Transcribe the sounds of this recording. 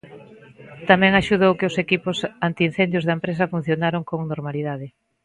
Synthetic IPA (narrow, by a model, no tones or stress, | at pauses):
t̪amɛ̃ŋaʃuðowkeʊsekipʊsant̪iin̟θend̪jʊzðɐempɾes̬ɐfun̟θjonaɾoŋkoŋnoɾmaliðaðɪ